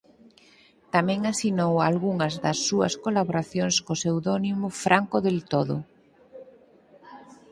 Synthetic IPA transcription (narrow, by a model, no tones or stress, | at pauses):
t̪amɛ̃ŋasinowalɣuŋɐzðɐsːuɐ̰skolaβoɾaθjoŋskosewðonimofɾʔaŋkoðelt̪oð̞o̰